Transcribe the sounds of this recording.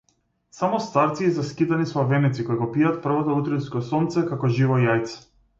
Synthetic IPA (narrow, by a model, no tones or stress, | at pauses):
samɔst̪aɾt̪siːzaskit̪anislˠavɛnɛt̪sikojɡɔpiat̪̚pr̩vɔt̪ɔut̪ɾiskɔsɔnt̪sɛkakɔʒivɔjajt̪sɛ̥